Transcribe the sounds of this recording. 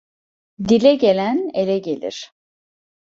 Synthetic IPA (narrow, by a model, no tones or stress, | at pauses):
d̪ilʲɛɟe̞lʲænelʲɛɟe̞lʲḭɾ̥